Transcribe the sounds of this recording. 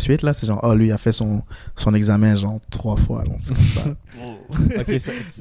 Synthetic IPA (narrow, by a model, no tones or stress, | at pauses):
sɥit̪lasɛʒɑ̃ʔalɥiːafɛsɔ̃sɔ̃nɛɡzamɛ̃ʒɑ̃t̪χwafwa̰ʒɑ̰̥̃kɔmsa̰